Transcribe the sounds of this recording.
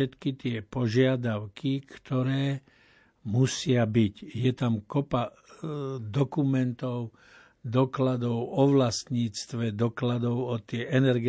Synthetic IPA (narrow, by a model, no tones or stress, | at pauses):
ɛt̪kit̪ɪɛpɔʒɪad̪aʊkikt̪ɔɾɛː | musɪabicjɛt̪amkɔpa | d̪ɔkumɛnt̪ɔʊ | d̪ɔklad̪ɔʊɔʋlast̪ɲiːt͡st̪ʋɛd̪ɔklad̪ɔʊɔt̪ɪɛʔɛnɛɾɡɛ